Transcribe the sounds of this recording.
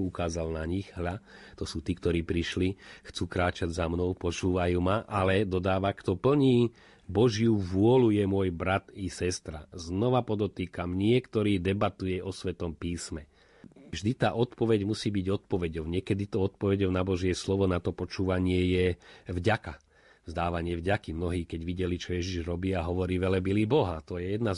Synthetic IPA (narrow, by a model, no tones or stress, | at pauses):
ukaːzalnaɲiɣɦʎat̪ɔsuːt̪iːkt̪ɔɾiːpɾiʃlixt͡suːkɾaːt͡ʃaɟzamnɔʊpɔt͡ʃuːʋajuːmaʔalɛd̪ɔd̪aːʋakt̪ɔpl̩ɲiː | bɔʒɪjuʋʊɔlujɛmʊɔjbɾat̪isɛst̪ɾa̰znɔʋapɔd̪ɔt̪iːkamɲɪɛkt̪ɔɾiːd̪ɛbat̪ujɛʔɔsʋɛt̪ɔmpiːsmɛ | vʒd̪it̪aːʔɔt̪pɔʋɛɟmusiːbiɟɔt̪̚pɔʋɛɟɔʊɲɪɛkɛd̪it̪ɔɔt̪̚pɔʋɛɟɔʊnabɔʒɪɛslɔʋɔnat̪ɔpɔt͡ʃuːʋaɲɪɛjɛvɟaka | vzd̪aːʋaɲɪɛvɟakimnɔɦiːkɛɟʋiɟɛlit͡ʃɔjɛʒiʒɾɔbiːaɦɔʋɔɾiːʋɛlɛbiliːbɔɦat̪ɔjɛjɛd̪na